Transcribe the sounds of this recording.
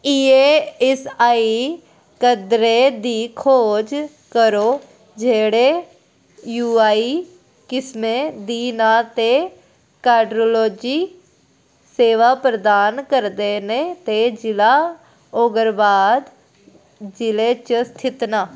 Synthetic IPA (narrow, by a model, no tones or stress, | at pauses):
iːeːɛsaːi | kəd̪ɾeːd̪iːkʰoːd͡ʒ | kəɾoː | d͡ʒeːɽeː | juːaːiː | kɪsmẽːd̪iːnaːt̪eː | kaːɖɾoːloːd͡ʒiː | seːʋaːpɾəd̪aːnkəɾd̪eːneːt̪eːd͡ʒɪlaː | oːɡəɾbaːd̪ | d͡ʒɪleːt͡ʃəst̪ʰɪt̪naː